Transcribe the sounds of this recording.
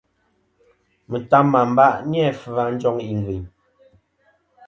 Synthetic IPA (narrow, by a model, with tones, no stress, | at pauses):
mə˨ta˦mːa˨m̩˦ba˦ʔnjɛ˦˨fə˨a˨˦n̩˦d͡ʒɔ˦ŋi˨ŋ˨ɡwi˨ɲ